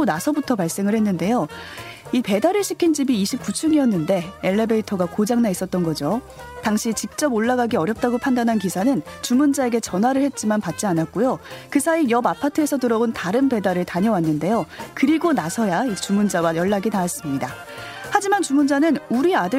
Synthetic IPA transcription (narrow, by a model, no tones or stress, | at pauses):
onasʰʌbutʰʌpaɭs͈e̞ŋɯɭhe̞nːɯnde̞jo | ipe̞daɾɯɭɕʰikʰind͡ʑibiːɕʰip̚k͈ut͡ɕʰuŋiʌnːɯnde̞eɭːe̞beitʰʌɡakod͡ʑaŋnais͈ʌt̚t͈ʌnɡʌd͡ʑo | taŋɕʰit͡ɕik̚t͡ɕ͈ʌboɭːaɡaɡiʌɾjʌp̚t͈aɡopʰandanɦankisʰanɯnt͡ɕumund͡ʑae̞ɡe̞t͡ɕʌnɦwaɾɯɭhe̞t̚t͡ɕ͈imanpat̚t͡ɕ͈ianat̚k͈ojokɯsʰaijʌbapʰatʰɯe̞sʰʌtɯɾʌontaɾɯnpe̞daɾɯɭtaɲʌwanːɯnde̞jokɯɾiɡonasʰʌjait͡ɕumund͡ʑawajʌɭːaɡinaːs͈ɯmɲida | had͡ʑimant͡ɕumund͡ʑanɯnuɾiadɯ